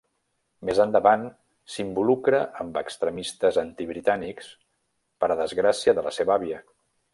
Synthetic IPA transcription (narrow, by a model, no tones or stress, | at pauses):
mezənd̪əβan | simbulukɾəʔəmbəkst̪ɾəmist̪əzənt̪iβɾit̪aniks | pəɾəðəzɣɾasiəðələ̰seβaβiə